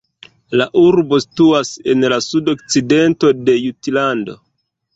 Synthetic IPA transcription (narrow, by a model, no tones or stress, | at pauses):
laʔuɾbo̞si̥tuase̞nlasudo̞k̚t͡side̞nto̞de̞jutlando̞̰